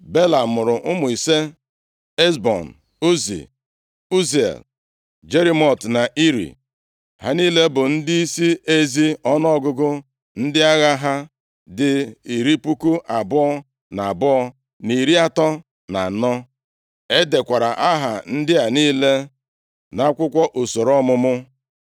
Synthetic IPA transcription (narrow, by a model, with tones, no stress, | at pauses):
be˦la˨mʊ˨ɾʊ˨ʔʊ˦mʊ˨i˨se˦ | e˦sbɔ̰˨n̩˨ | u˦zḭ˨ | u˦z̰l | d͡ʒe˦ɾi˦mɔ˦˨tna˨ʔi˦ɾḭ˨ | ha̰˨niː˦le˦bʊ˨n̩˦dɪ˦i˦si˦ʔe˦zi˦ɔ˦nɔ˦ɔ˦ɡʊ˦ɡʊ˦ | n̩˦dɪ˦a˦ɣa˦ɦa˦ | dɪ˦i˨ɾi˦pu˦ku˦ʔa˨bʊ˦ɔ˦ | na˨bʊ˦ɔ˦ | ni˨ɾi˦a˦tɔ˦ | na˨nɔ˦ | e˦de˨kʷa˨ɾa˨ʔa˦ɦa̰˨n̩˦dɪ˦a˨niː˦le˦ | na˦kʷʊ˦kʷɔ˦ʔo˨so˨ɾɔ˦mʊ˦mʊ˦